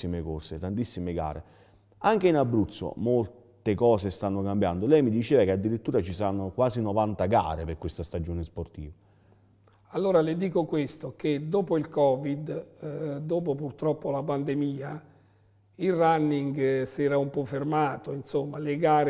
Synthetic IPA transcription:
imekoset̪ant̪isːimeɡa̰ːɾḛ | aŋk̟einabːɾut̪sːo̰mol | t̪ekɔːsest̪anːokambjand̪olɛjmid̪it͡ʃeːvakead̪ːiɾit̪ːuːɾat͡ʃisaɾanːokwaːzinɔvant̪aɡa̰ːɾeperkwest̪ast̪ad͡ʒoːnesport̪ḭːva | alːoːɾalɪd̪iːkokwest̪ok̟ed̪oːpoilkɔːvid̪ | d̪oːpopurt̪ɾɔpːolapand̪emiːa | ilranːiŋɡsɛːɾaumpɔfːermaːt̪oinsomːaleɡaːɾ

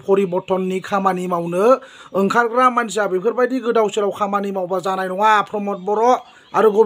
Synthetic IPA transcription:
pʰɔɾibɔtʰɔnːikʰamanimawnɯɯŋkʰaɾɡɾamːans̬iabipʰɯɾbajdiɡɯdawsɯɾawkʰamanimawbazanajnɔŋapʰɾɔmɔt̚bɔɾɔ | aɾuɡɔ

